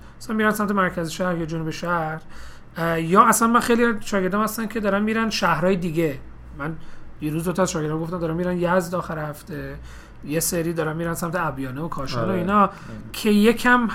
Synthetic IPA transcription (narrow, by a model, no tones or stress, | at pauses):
æsænmiːɾænsæmt̪ʰemæɾcʰæzeʃæhɾjɒːd͡ʒonubeʃæhɾ | jɒːæsænmænxe̞jliæzʃɒːɡe̞ɾd̪ɒːmhæst̪ænkʰe̞d̪ɒːɾænmiːɾænʃæhɾɒːjed̪iːɡe | mænjiɾuːzd̪ot̪ʰæzʃɒɡeɾd̪ɔmɡoft̪æmd̪ɒːɾænmiːɾænjæzd̪ɒːxæɾehæft̪e̞ | jeseɾiːd̪ɒːɾænmiːɾænsæmt̪ʰeæbjɒːneokʰɒːʃɔːnoiːnɒ | cʰe̞je̞kʰæm